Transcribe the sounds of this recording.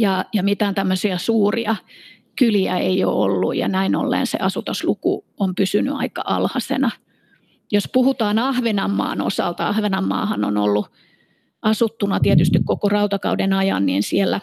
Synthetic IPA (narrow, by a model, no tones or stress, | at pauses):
jɑjɑmit̪æːnt̪æmːøsiɑsuːriɑ | kyliæ̰eio̰o̰lːṵjjɑ̰næino̰lːḛːnsḛɑsut̪ɑslukṵ | ompysyny̰ɑ̰ikɑʔɑ̰lhɑsḛnɑ | jospuhut̪ɑːnɑhʋenɑmːɑ̰ːno̰sɑ̰lt̪ɑɑhʋenɑmːɑ̰ːhɑno̰no̰lːu | ɑsut̪ːunɑt̪iet̪yst̪ikkokorɑut̪ɑkɑudenɑjɑ̰nːiːnsielːæ